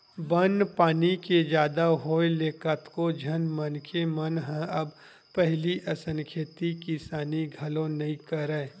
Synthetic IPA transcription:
bɐnpaːniked͡ʒjaːd̪aɦoːeleːkət̪kod͡ʒʱɐnmɐnkʰemɐnɦɛ̃ɐb | pɛɦliʔɐsə̃ŋkʰeːt̪ikisaːniɡʱɐlõnɐɦĩkɐɾəe

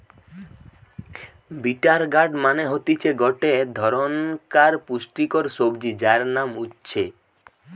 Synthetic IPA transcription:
biʈaɾɡaɾɖmaneɦot̪it͡ɕʰeɡɔʈed̪ʱɔɾonkaɾpusʈikɔɾsobd͡ʑid͡ʑaɾnamutːɕʰe

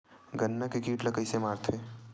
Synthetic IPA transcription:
ɡənːakikiːʈlɐkəɪsemaːɾt̪ʰɦeː

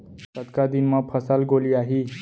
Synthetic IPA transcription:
t̪ət̪kad̪inmapʰəsalɡoliaɦi

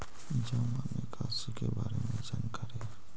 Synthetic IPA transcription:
ɪd͡ʒamanekʰasikebaːɾemẽd͡ʒənkəɾe

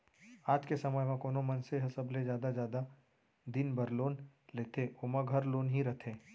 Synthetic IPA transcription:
aːd͡ʒ̪kesɐməjmãkoːnõmɐnseɦɐsəbled͡ʒjaːd̪ad͡ʒjaːd̪a | d̪ɪnbɐɾloːnleːt̪ʰeoːmə̃ɡʱɐɾloːnɦiɾɐt̪ʰẽː

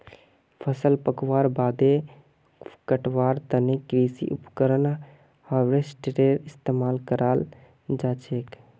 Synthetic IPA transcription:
pʰəsəlpəkwaːɾbaːd̪e | kəʈwaːɾt̪ənekɾiːsḭʔʊpkəɾən | haʋɾesʈɾeːɾɪst̪eːmaːlkəɾʔaːl | d͡ʒaːt͡ʃeːk

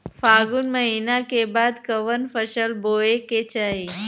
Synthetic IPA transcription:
faɡunməɦinakebad̪kəʋənfəʃəlboeket͡ʃai

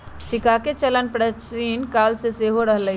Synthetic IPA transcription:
sikaket͡ʃələnpɾət͡ʃinkaːlseseɦoɾəɦlə

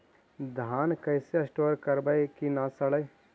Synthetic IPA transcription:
d̪ʱaːnkɐɪseɐsʈoːɾkɐɾbəjkinasɐɭəj

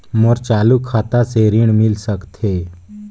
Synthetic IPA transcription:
moɾt͡ʃaːlukʰaːt̪aseɾiɽ̃mɪlsəkt̪ʰe

